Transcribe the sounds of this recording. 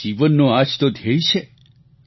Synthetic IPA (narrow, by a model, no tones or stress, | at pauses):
iʋənːoad͡ʒt̪od̪ʱjejʃʰe